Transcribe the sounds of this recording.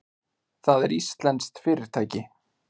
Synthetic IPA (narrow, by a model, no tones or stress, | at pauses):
θaðɛɾist̪lɛnst̪fɪːɾɪɾ̥t̪ʰaːjcɪ